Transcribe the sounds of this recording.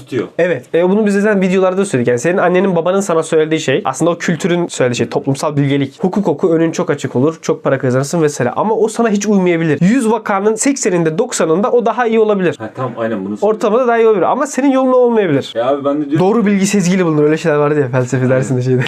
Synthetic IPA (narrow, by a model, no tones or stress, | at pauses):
t̪oevɛt̪ʰɛbunubizzaːt̪ʰænvid̪jo̞lˠaɾd̪asøled̪icjanse̞ninanːe̞ninbabanɯnsanasøjlʲed̪iːʃejʔa̰slɯnd̪aocʰylʲt̪ʰyɾynsøjlʲed̪ʲiːʃejt̪ʰo̞plˠumsalˠbilʲɟeichukʰuːko̞kʰuø̞nynt͡ʃʰo̞kat͡ʃʰɯkʰo̞lˠuɾ̥t͡ʃʰo̞k̚pʰaɾakʰɯzanɯɾsɯnvɛsela̰ʔa̰maosanaɦit͡ʃʰujmajabilʲiɾ̥jyzvakʰanɯnsɛcsenind̪ɛd̪o̞ksanɯnd̪aʔo̞d̪aɦaijio̞lˠabilʲiɾ̥ʰajnæbuo̞ɾt̪ʰamd̪ad̪aːijiolˠabilʲiɾʔa̰mase̞ninjo̞lˠunao̞lˠmajabilʲiɾ̥abibænd̪o̞ːɾubilʲɟisezɟilʲibulˠunuɾølʲɛʃejlʲæɾvaɾd̪ijafælʲsefed̪æɾsind̪ɛʃ̬ejd̪ɛ